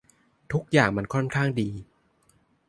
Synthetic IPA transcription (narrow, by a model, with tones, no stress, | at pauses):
t̪ʰu˦˥k̚jaː˨˩ŋma˧nkʰɔ˥˩nkʰaː˥˩ŋdiː˧